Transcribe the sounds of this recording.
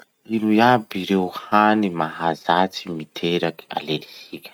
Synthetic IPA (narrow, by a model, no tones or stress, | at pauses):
ilujabiɾewhanimaɦazat͡simit̪ʰeɾaki̥a̰lelisikʲə̥